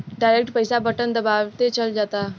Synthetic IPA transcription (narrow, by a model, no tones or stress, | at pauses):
ɖaɪɾek̚ʈpəɪsabəʈənd̪əbaːʋt̪et͡ʃəld͡ʒaːt̪aː